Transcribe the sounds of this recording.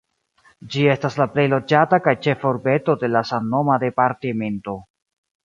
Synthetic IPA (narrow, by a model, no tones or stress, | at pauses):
d͡ʒie̞staslaple̞jlo̞d͡ʒatakajt͡ʃefoɾbe̞to̞de̞lasanːo̞made̞paɾtime̞nto̞